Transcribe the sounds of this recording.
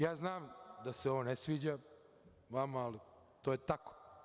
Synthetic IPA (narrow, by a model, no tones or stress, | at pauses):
jaːznaːmd̪aseoʋonesʋiːd͡ʑa | ʋamaːli | t̪oːjet̪ako̥